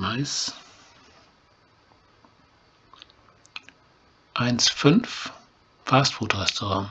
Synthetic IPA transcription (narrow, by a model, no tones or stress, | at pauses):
aɪs | ʔaɪnsfʏnf | fastfoːtʰoʁɛstoʁɑ̃